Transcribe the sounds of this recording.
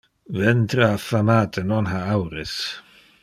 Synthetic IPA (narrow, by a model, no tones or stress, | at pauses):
vɛnt̪ɾafamaːt̪ʰənɔnɦaawɾəs